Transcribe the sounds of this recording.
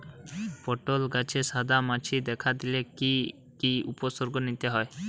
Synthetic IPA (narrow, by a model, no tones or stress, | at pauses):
pɔʈolɡat͡ʃʰesad̪ʱamat͡ʃʰid̪ɛkʰad̪ileki | kiupɔsɔɾɡɔnit̪eɦɔe